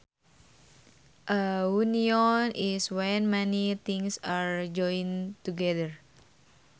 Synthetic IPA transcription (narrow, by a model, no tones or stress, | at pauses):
ʔəuniɔnʔiswɛnmɛnit̪iŋsaɹd͡ʒɔjĩnt̪uɡɛðəɹ